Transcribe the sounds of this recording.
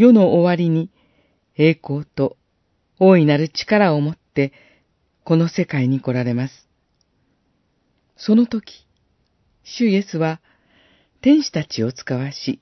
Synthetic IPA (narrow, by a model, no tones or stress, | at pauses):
jo̞no̞ʔːβaɾʲiɲ̟i | e̞ːko̞ːt̪o̞ | oːinaɾɯ̟t͡ɕi̥kaɾao̞mo̞t̪ːe̞ | ko̞no̞se̞kaiɲ̟iko̞ɾaɾe̞masɨ̥ | so̞no̞t̪o̞kʲi̥ | ɕɨije̞sɨβa | t̪ẽ̞ɰ̃ɕi̥t̪at͡ɕio̞t͡sɨ̥kaβaɕi